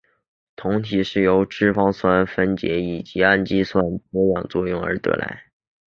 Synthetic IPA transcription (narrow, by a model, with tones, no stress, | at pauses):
t̪ʰʊ˧˥ŋt̪ʰi˨˩ʂɻ̩˥˩jo˧˥ʊʈ͡ʂɻ̩˥fɑ˥ŋswa˥nfə˥nt͡ɕjɛ̰˧˥i˨˩t͡ɕi˧˥a˥˧nt͡ɕi˥swa˥npɛ˧˥wjɑ˨˩ŋt͡swɔ˥˧jʊ˥˩ŋə̰˞˧˥t̪ɤ̰˧˥la̰˧˥ɪ